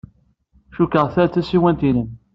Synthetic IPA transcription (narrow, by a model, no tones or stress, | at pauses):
ʃukəʁθæt͡sːæsiwænt̪inən